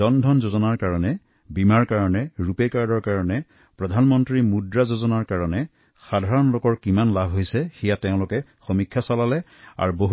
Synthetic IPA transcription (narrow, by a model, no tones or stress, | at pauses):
ɔndʱɔnzozɔnaɹkaɹɔnɛ | bimaɹkaɹɔnɛɹupɛkaɹdɔɹkaɹɔnɛ | pɹɔdʱanmɔntɹimudɹazozɔnaɹkaɹɔnɛ | xadʱaɹɔnlokɔɹkimanlabʱɦojsɛxɛjateʊ̃lʊkɛxomikʰːjasalalɛ | a̰ɹboɦ